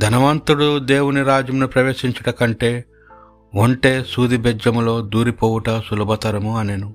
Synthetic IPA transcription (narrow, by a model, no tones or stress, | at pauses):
d̪ʱɐnɐʋaːnt̪uɽud̪eːwuniɾaːd͡ʒɐmnupɾɐʋe̞ːʃiɲt͡ʃɐʈɐkɐɳʈe̞ː | oɳʈe̞ːsuːd̪ibɛd͡ʒɐmulo̞ːd̪uːɾipoːwuʈɐsulubɐt̪ɐɾɐmuɐnenu